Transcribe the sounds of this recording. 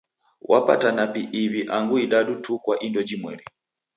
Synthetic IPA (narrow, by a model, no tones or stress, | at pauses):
wa̰pa̰tanapiʔiβiʔaŋɡuiɗaɗutʰukwaʔindɔd͡ʒimwɛ̰ɾi